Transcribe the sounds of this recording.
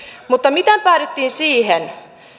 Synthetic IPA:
mut̪ːɑmit̪æmpæːɾit̪ːiːnsiːɦen

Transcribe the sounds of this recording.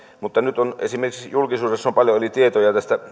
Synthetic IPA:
mut̪ːɑnyt̪onḛsimerkiksjulkisuːdesːompɑljoolit̪iet̪ojɑt̪æst̪æ

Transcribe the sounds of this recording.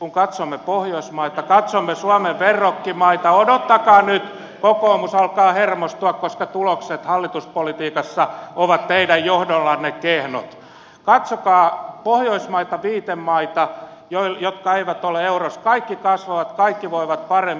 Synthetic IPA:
kuŋkɑt̪somːepohjoismɑit̪ɑkɑt̪somːesuɑmeʋʋerːokːimɑit̪ɑodot̪ːɑkɑːnyt̪ | kokoːmusɑlkɑːhermost̪uɑkkoskɑt̪ulokset̪hɑlːit̪uspolit̪iːkɑsːɑoʋɑt̪teidæjjohdolːɑnːekehno̰t̪ | kɑt̪sokɑːpohjoismɑit̪ɑʋiːt̪emmɑit̪ɑ | joijot̪kɑeiʋæt̪oleeuroskɑikːikɑsʋɑʋɑt̪kɑikːiʋoiʋɑt̪̚pɑremː

